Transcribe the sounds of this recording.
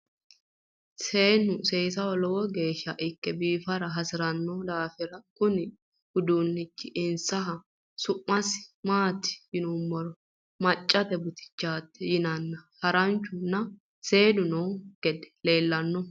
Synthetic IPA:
seːnːʊseːsɐwɔlɔwɔɡe̞ːʃːɐʔɪkːɛbiːfɐɾɐɦɐsɪɾɐnːɔd̪aːfɪɾɐkʊnɪ | hʊd̪unːɪt͡ʃːɪʔɪnsɐɦɐ | sʊmːɐsmaːt̪ːɪ̥jɪnumːɔɾɔ | mɐt͡ʃʼːɐt̪ɛbʊt̪ɪ̥t͡ʃːaːt̪ːɛjɪnɐnːɐhɐɾɐnt͡ʃːʊnːɐ | se̞ːd̪ʊnɔwɡ̥ɛd̪ɛ̥le̞ːlːɐnːɔ

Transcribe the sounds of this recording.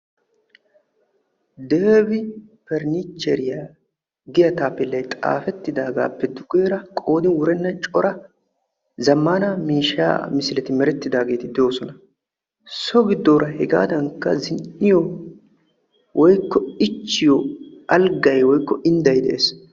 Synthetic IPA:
d̪eːvɪpɛɾnɪt͡ʃːɛɾɪja | ɡɪjɐt̪aːpːɪlːɐjt̪ʼa̰ːfɛt̪ːɪd̪aːɡa̰ːpːɛd̪ʊkʼeːɾɐkʼo̞ːd̪ɪnwʊɾɛnːɐt͡ʃʼɔɾɐ | zɐmːanamiːʃːa̰ːmɪsɪlɛt̪ɪmɛɾɛt̪ːɪd̪aːɡe̞ːt̪ɪd̪ɛjo̞ːsɔnɐ | sɔɡɪd̪ːoːɾɐhɛɡa̰ːd̪ɐŋkːɐ̰zɪnɪjɔ | wʔɔjkːɔɪt͡ʃːɪjɔɐlɡɐjwɔjkːɔɪnd̪ɐjd̪ɛʔeːs

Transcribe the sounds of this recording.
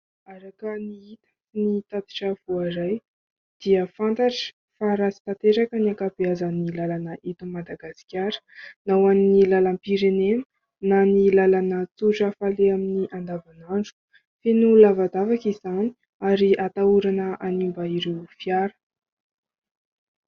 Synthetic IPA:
aɾakəniit̪ə | init̪ad̪i̥ʈ͡ʂəv̥oaɾaj | d̪̥iəfant̪aʈ͡ʂə̥ | faɾasi̥t̪at̪eɾakəniakabiazənilalanəʔit̪umad̪aɡasi̥kʲaɾə̥nawannilalampiɾenem | nanilalanət͡suʈ͡ʂəfaleaminiʔand̪avanaɳɖ͡ʐu̥ | fenulavad̪avakizani̥ | aɾiʔat̪auɾanəʔanimbaiɾewfjaɾə̥

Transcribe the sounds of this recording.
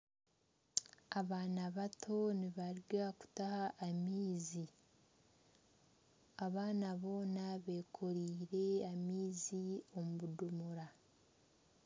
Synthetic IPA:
aβaːnaβatʰo̞niβaɾɡaku̥tahaʔːmiːzi | aβaːnaβo̞ːnaβe̞ːkʰoɾiːɾe̞amiːzio̞muβudumuɾa

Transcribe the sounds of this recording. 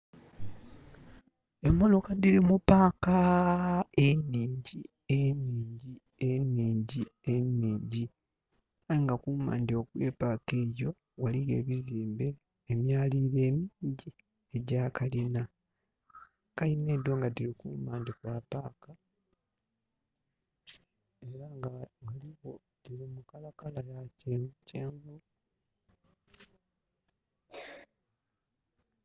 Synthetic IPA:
emːo̞lo̞kadiɾimupaːka | enːiːɲɟi | eniːɲɟi | enːiːɲɟienːiːɲɟi | ajiŋɡakuːma̰ːndeokwe̞ːpake̞ːjo̞ | waliɣe̞̰ːβiziːmbe̞ː | mjaːliːɾe̞ːmiːɲɟi | eɟaːkalina | kaline̞ːdwoŋɡatiɾikṵːmaːndikwaːpaːka | e̞ɾaŋɡawaliɣo̞ | diɾimukalakalajaceuceːŋɡu

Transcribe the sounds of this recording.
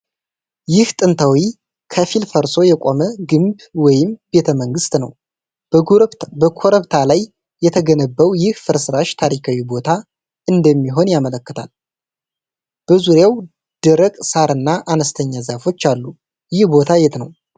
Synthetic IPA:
jɪht̪ʼɨnt̪ʰawi | kʰəfilfəɾso̞jɛkʷʼoməɡɨmb | wɔjɪmbe̞t̪ʰəməŋɡɨst̪nə̰w | bəkʰoɾəβt̪ʰalajː | ɛt̪ʰəɡənəbːəwjɪhfɨɾsɨɾaʃt̪ʰaɾikʰawibo̞t̪ʰa | ʔɨnd̪əmːiɦo̞njamələkːət̪ʰal | b̥əzuɾjaw | d̪̥ɨɾəkʼsaɾɨnːaʔanəst̪ʰəɲːazafo̞t͡ʃːalːu | jɪhbo̞t̪ʰajɛt̪nəw

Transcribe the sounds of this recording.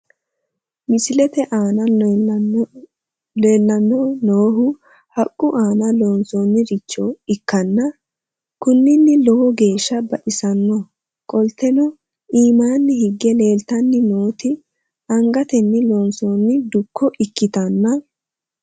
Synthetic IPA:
mɪsɪlɛt̪ɛʔaːnɐ | le̞ːlːɐnːɔnoːɦʊ | hɐkʼːʊʔaːnɐloːnsɔnːɪɾɪt͡ʃːɔɪkːɐnːɐ | kʊnːɪnːɪlɔwɔɡe̞ːʃːɐbɐʔɪsɐnːɔ | kʼɔlt̪ːɛnɔ | iːmaːnːɪhɪɡːɛle̞ːlt̪ɐnːɪnoːt̪ɪ | ɐŋɡɐt̪ɛnːɪloːnsɔnːɪd̪ʊkʰːɔʔɪkːɪt̪ɐnːɐ

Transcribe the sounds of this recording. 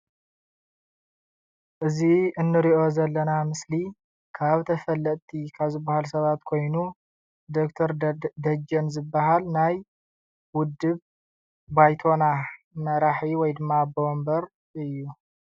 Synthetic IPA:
ʔɨziɨnːɨɾiʔo̞zɐlːɐnamɨsli | kʰaβt̪ʰɐfɐlːɐʔ̪t̪ʰikʰaβzɨbːahalsɐβat̪kʰo̞jnu | d̪okt̪ʰɐɾd̪ɐd͡ʒɐnzɨbːaɦalnaj | wʊd̪ːɨβ | bajt̪ʰo̞na | mɐɾaħiwɔjd̪ɨmːabo̞mbɐɾ | ɨjːu

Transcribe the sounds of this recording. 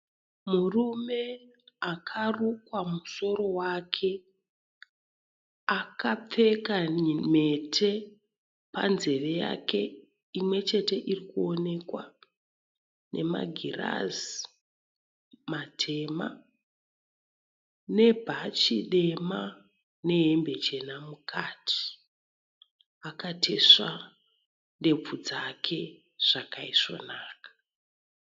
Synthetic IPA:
murume̞akʰarukwamuso̞ɾo̞wakʰe̞ | akap͡fe̞kaime̞tʰe̞ | pa̰nze̞re̞ja̰ke̞ | imwe̞t͡ʃe̞te̞ʔirikuo̞ne̞kwa̰ | nʔe̞̰ma̰ɡʱira̰zi | matʰe̞ma̰ | ne̞bʱat͡ʃiɗe̞ma | ne̞ɦembe̞t͡ʃe̞namukʰatʰi̥ | akatʰe̞ʂa | nde̞p͡fud͡zakʰe̞ | ʐ̥akaiʂo̞̰naːkḁ

